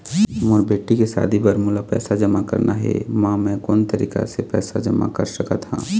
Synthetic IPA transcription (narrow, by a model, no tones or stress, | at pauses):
mɔːɾbeːʈikesa̰ːd̪ʱibəɾmulapɛ̰ːsad͡ʒəmakə̰ɾnaɦɛ̰mãːmɛ̃kɔːnt̪əɾḭːka̰sepɛ̰ːsad͡ʒəma̰kəɾsəkat̪ʰã̰ː